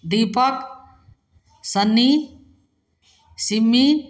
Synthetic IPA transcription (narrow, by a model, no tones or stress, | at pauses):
d̪ipɐk | sɐnːi | simːi